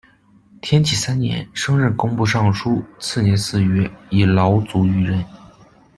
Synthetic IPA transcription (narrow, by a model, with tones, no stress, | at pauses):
t̪ʰjɛ˥nt͡ɕʰi˨˩sa˥nnjɛ̰˧˥nʂɤ˥ŋɻə˥˩nkʊ˥ŋpu˥˧ʂɑ˥˩ŋʂʰu˥t͡sʰɹ̩˥˩njɛ˧˥nsɹ̩˥˩ɥɛ˥i˨˩lɑ˧˥ʊt͡su˧˥y˧˥ɻə˥˩n